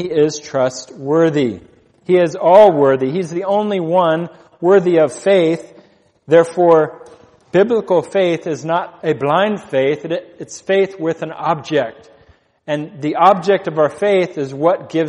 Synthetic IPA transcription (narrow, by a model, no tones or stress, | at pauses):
iɪz̥tʰɹ̥ʌst̚wɜ˞ði | iɪzɔlˠwɜ˞ðiizðiõʊ̃nliwʌ̃n | wɜ˞ðiʌv̥feɪθ | ðɛɹfɔɹ | b̥ɪbləkl̩ˠfeɪθɨznəɾɨblãɪ̃nd̥feɪθɨɨtsfeɪθwɪðɨ̃nɑb̚d͡ʒɛk̚t̚ | ɨ̃nðiʔɑb̚d͡ʒɛk̚tʌvaʊə˞feɪθɨzwʌt̚ɡ̥ɪv